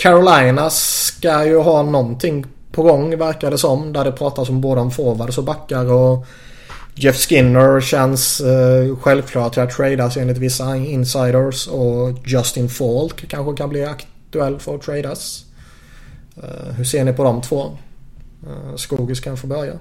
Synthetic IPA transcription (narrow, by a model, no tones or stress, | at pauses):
kʰæɾʊlajnaskajɵɦɑːnɔnt̪ʰɪŋː | pʰɔɡɔŋːvæɾkad̪əsɔmːd̪æɖɛpʰɾɑːt̪asɔmboːd̪əɔmfoːvaɾsɔbakːaɾɔ | d͡ʒɛfskɪnːəɾɕɛns | ɧɛlvkʰlɑːʈʈʰɪlat̪ʰːɾɛjd̪aseːnlɪt̪vɪsːaɪnsajd̪əɾsɔd͡ʒɔst̪ɪnfoːlkʰːanɧəkʰanblɪakt̪ɵɛlːfœɾt̪ʰɾɛɪd̪as | ɦɵseːɳɪpʰɔd̪ɔmt̪ʰv̥oː | skuːɡɪskʰanfəbœɾja̰